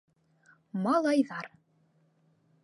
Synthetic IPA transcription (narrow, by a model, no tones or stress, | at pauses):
mɑlˠɑjðɑɾ